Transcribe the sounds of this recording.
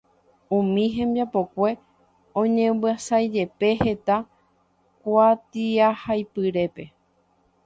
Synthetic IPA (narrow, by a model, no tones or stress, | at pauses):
ũmĩɦẽ̞mbjapo̞kʷe̞ | õ̞ɲẽ̞mbɨasajd͡ʒe̞pe̞he̞t̪a | kʷat̪iahajpɨɾe̞pe̞